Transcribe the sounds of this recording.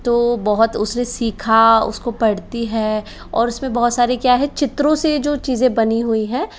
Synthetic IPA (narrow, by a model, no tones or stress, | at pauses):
t̪oːbɔɦʊt̪ʊsnesiːkʰaʊ̰skopɐɽt̪iɦɛː | ɔ̰ːɾʊsmẽbɔɦʊt̪saːɾekjaːɦɛt͡ʃʰɪt̪ɾõsed͡ʒoːt͡ʃiːzẽbɐniɦuiɦɛ̃ː